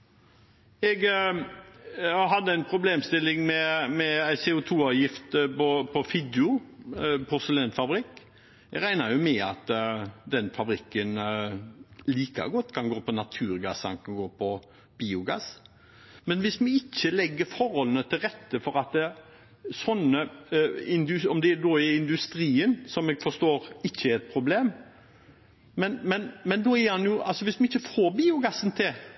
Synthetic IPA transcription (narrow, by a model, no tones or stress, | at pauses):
ɛɡ | ɦɑd̪ːəæɪnpʰɾʊbleːmst̪ɪlːɪŋmɛmɛæɪseːʊt̪ʰuːɑːʋjɪft̪pɔpʰɔfɪd̪ʊ | pʰʊɾsəlenfɑbɾɪkː | ɛɡɾæɪnɑjʊmɛɑt̪d̪ɛnfɑbɾɪkːən | liːkɑ̰ɡɔt̪ːkʰɑnɡoːpɔnɑt̪ʰʉːɾɡɑsɑnkʰɑɡoːpʰɔ | b̥iːʊɡɑ̰s | mɛnʋɪsmɛɪçːəlɛɡːəɾfɔɾhɔlənət̪ʰɪlɾɛt̪ːəfɔɾɑt̪ | sɔnːə | ɪnd̪ʉɔmd̪ɛːd̪oːɪɪnd̪ʉst̪ɾiːənsɔmɛɡfɔʂt̪oːɾɪçːəɛɾɛt̪̚pʰɾʊbleːm | mɛnmɛnmɛnd̪oːɛhɑnjʊɑlsɔʋɪsmɛɪçːəfoːɾbiːʊɡɑsənt̪ʰɪl